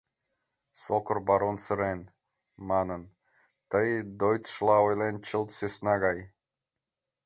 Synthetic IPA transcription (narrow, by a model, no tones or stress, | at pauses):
sokorbɑɾonsəɾen | mɑnən | t̪əjd̪ojt̪ʃlˠɑojlent͡ɕəlt̪søsnɑɣɑj